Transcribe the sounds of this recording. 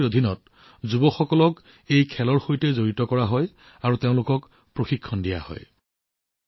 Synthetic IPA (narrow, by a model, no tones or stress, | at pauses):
odʱinɔt̚ | zubɔxɔkɔlɔk | ejkʰɛlɔɹxojtɛzoɹitɔkɔɹaɦɔj | aɹuteʊ̃lʊkɔk | pɹoxikʰːɔndija̰hɔ̰j